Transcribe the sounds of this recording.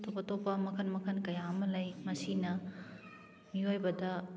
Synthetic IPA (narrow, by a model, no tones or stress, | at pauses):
tʰopɐtopɐmɐkʰɐnmɐkʰɐnkɐjamɐlɐjmɐsinɐ | miɦojbɐdɐ